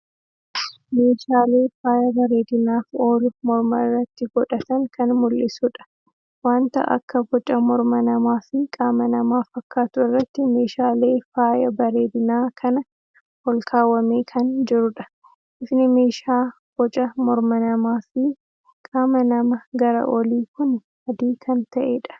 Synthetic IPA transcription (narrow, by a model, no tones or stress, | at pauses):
me̞ːʃaːleːfaːjɐbɐɾe̞ːd̪ɪnaːfoːlʊmɔɾmɐɪrːɐt̪ːɪɡɔᶑɐt̪ɐŋkɐnmʊlːɪsʊᶑɐ̥ | waːnt̪ɐ̰ʔɐ̰kːɐfɔt͡ʃʼɐmɔɾmɐnɐmaːfɪkʼaːmɐnɐmaːfɐkːaːt̪ʊɪrːɐt̪ːɪme̞ːʃaːle̞ːfaːjɐbɐɾe̞ːd̪ɪnaːkʰɐnɐ | hɔlkʰaːwɐmeːkʰɐnd͡ʒɪɾʊᶑɐ̥ | ʔɪfnɪme̞ːʃaː | fɔt͡ʃʼɐmɔɾmɐnɐmaːfɪ | kʼaːmɐnɐmɐɡɐɾɐ̰ʔɔliːkʊn | ɐd̪iːkʰɐnt̪ɐʔe̞̰ːᶑɐ̥